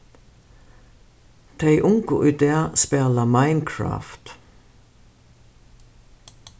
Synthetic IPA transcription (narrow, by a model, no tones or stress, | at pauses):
t̪ʰeɪʔʊŋkʊʔʏːd̪eːspɛːləmaɪnkʰɹɑ̰ːft̪